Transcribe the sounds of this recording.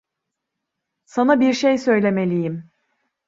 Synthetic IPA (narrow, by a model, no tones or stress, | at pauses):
sanabiɾʃejsø̞jlʲe̞me̞lʲijim